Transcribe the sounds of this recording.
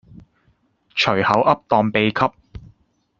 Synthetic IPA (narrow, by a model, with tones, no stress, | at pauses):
t͡ʃʰɵ˨˩ɥhɐ˨˥wʔɐ˥p̚t̪ɔː˨ŋpe˨˧jkʰɐ˥p̚